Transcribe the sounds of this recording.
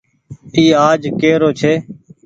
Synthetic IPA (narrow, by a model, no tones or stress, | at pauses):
iːaːd͡ʒkeːɾoːt͡ʃʰeː